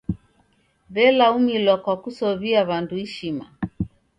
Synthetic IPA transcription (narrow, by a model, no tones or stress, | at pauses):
βɛlaumilwakwakusɔβiaβanduiʃima